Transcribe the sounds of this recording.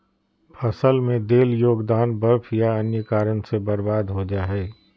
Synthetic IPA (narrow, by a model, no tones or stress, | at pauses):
pʰɐsəlmẽd̪eːljoːɡd̪aːnbəɾpʰjaɐnjəkaːɾənsebɐɾbaːd̪ɦod͡ʒaːɦɛː